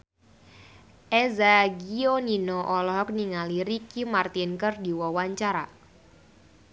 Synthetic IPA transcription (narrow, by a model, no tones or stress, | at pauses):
ʔɛzaɡioninoɔʔɔlɔɦɔk̚niŋaliɾikimart̪inkərdiwɔwaɲt͡ʃaɾa